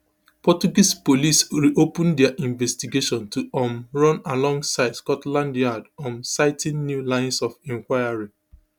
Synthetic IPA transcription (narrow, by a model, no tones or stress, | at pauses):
pɔt͡ʃuɡispolisɹiʔopũndɛaʔĩɱvɛstiɡeʃɔ̃ntuʔɔ̃mɹɔ̃nalɔ̃ŋɡsaɪdskɔtlãndjadɔ̃nsaɪtʰĩnnjulãɪ̃nsɔfɛ̃ŋkwaɪaɹi